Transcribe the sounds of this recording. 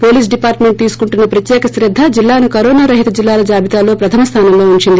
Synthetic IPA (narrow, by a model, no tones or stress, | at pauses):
po̞ːliːs̬ɖipaːɾʈme̞ɳʈ̚t̪iːsu̥kuɳʈunːɐpɾɐt̪jɛːkɐsɾɐd̪ʱːɐd͡ʒilːaːnukɐɾoːnaːɾɐɦit̪ɐd͡ʒilːaːlɐd͡ʒaːbit̪aːlːo̞ːpɾɐt̪ʰɐmɐst̪ʰaːnɐmloːuɲt͡ʃind̪i